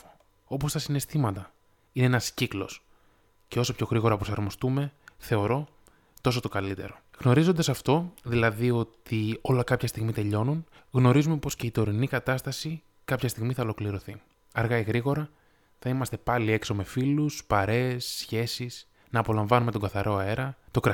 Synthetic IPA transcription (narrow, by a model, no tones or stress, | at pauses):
o̞po̞st̪ɐsine̞st̪imɐt̪ɐ | ineenɐsciklo̞̰s | ce̞o̞so̞pço̞ɣɾiɣo̞ɾɐpɾo̞sɐɾmo̞st̪ume̞θe̞o̞ɾo̞ | t̪o̞s̬o̞t̪o̞kɐlit̪e̞̰ɾo̞ɣno̞ɾizond̪ɐsɐft̪o̞ðilɐðio̞t̪io̞lɐkɐpçɐst̪iɣmit̪e̞ʎo̞nun | ɣno̞ɾizume̞po̞sce̞it̪o̞ɾinikɐt̪ɐst̪ɐsi | kɐpçɐst̪iɣmiθɐolo̞kliɾo̞θi | ɐɾɣɐiɣɾiɣo̞ɾɐ | θɐimɐst̪e̞pɐlie̞kso̞me̞filuspɐɾe̞ːsːçe̞sis | nɐːpo̞lɐɱvɐnume̞t̪o̞ɡɐθɐɾo̞ɐe̞ɾɐt̪o̞kɾɐ